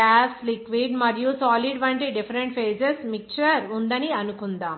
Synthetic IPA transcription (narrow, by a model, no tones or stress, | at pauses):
aːslikʋiɖmɐɾijusaːliɖʋɐɳʈiɖifɐɾeɳʈfeːd͡ʒesmik̚t͡ʃɐɾund̪ɐniɐnukund̪aːm